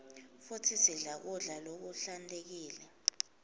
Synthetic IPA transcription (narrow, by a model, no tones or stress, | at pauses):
futʰisiɮak̬uɮalok̬uɬantʼek̬iːlɛ